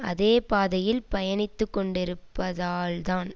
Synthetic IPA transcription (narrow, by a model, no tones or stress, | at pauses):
ɐ̰ðeːpaːðɐjɪlpɐjɐnɪt̪ːɯkːɔɳɖɪɾɯpːɐðaːlt̪aːn